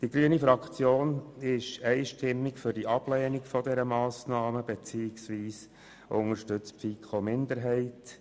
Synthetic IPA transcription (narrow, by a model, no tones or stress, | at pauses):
d̥iɡɾyənifɾɑkt͡sjoːnɪʃɛɪʃtɪmːɪkfʏɾd̥iʔɑb̥lɛːnɪkfɔdɛɾəmɑːsnɑːməb̥et͡siːɪksʋiːs | ʔʊŋəɾʃtʏt͡spfikχomɪnd̪əɾɦɛɪt